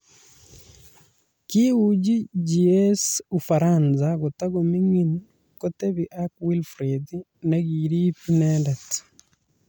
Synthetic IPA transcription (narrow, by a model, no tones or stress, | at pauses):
kiwud͡ʒid͡ʒiɛsufaɾanzaɣotaɣomiŋin | kotɛβiʔakwilfɾedi | naɣiɾipinɛdɛt